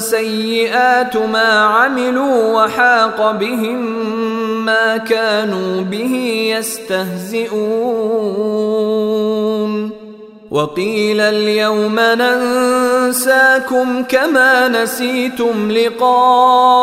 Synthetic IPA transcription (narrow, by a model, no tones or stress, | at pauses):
sajːɪʔaːt̪maːʕamɪluːwaħɑːqɑbɪɦɪmː | aːkaːnuːbɪhɪjast̪ahzɪʔuː | n | wʔɑqiːlaljawmanan | saːkʊmkamaːnasiːt̪ʊmlɪqɑː